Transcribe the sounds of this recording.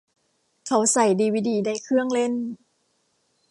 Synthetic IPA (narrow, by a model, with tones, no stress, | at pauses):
kʰa˨˦wsa˨˩jdiː˧wiː˦˩diː˨˦da˧˩jkʰɯ˥˩əŋle˥˨n